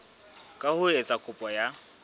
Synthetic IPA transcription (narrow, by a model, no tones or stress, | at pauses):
kʼahʊet͡sʼakʼʊpʼɔja